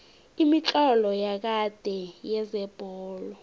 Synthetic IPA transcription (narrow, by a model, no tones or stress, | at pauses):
imit͡ɬʼɔlɔjak̬ad̥ʱɛjɛzɛb̥ʱɔːlɔ